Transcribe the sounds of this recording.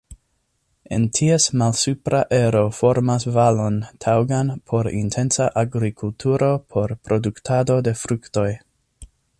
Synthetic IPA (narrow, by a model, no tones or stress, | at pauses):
e̞̰ntʰiesmalsupɾaʔe̞ɾo̞fo̞ɾmasvalo̞ntʰawɡanpʰo̞ɾḭntʰe̞nsaʔaɡɾikʰultʰuɾo̞pʰo̞ɾpɾo̞duktʰado̞de̞fɾukto̞j